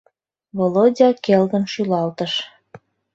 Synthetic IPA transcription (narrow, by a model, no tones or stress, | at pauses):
βolodʲɑkelɣə̆nʃylɑlt̪əʃ